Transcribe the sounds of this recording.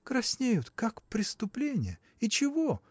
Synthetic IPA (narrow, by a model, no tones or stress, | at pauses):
kɾɐsʲnʲejʊt̪kakpɾʲɪst̪ʊplʲenʲɪjə | it͡ɕɪvo